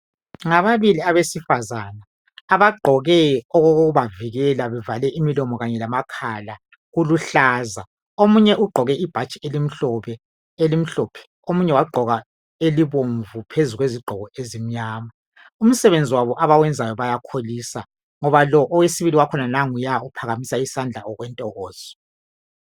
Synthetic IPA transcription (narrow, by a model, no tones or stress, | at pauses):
ŋaβaβiliaβesifazana | aβaɡ͡ǃʱɔɣɛɔɣoɣoɣuβaviɣɛlaβɛvalɛʔimilɔmɔɣaɲɛlamakʰala | ɣuluɬaːza | omuɲɛʔuɡ͡ǃʱɔɣɛʔib̥ʱat͡ʃʼielim̩ɬɔβɛ | elim̩ɬɔpʰɛ̥ | omuɲɛwaɡ͡ǃʱɔɣa | eliβoɱvupʰezuɣweziɡ͡ǃʱɔɣɔezim̩ɲaːma | um̩sɛβend͡zʱiwaβɔʔaβawɛnd͡zʱajɔβajakʰoliːsa | ŋɔβalɔʔɔwesiβiliwakʰɔnanaŋujaupʰaɣamisaisand͡ɮʱaɔɣwɛntʼɔɣɔːz̥ɔ̥